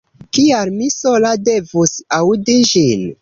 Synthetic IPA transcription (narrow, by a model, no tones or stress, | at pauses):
kialmiso̞lade̞vusawdid͡ʒin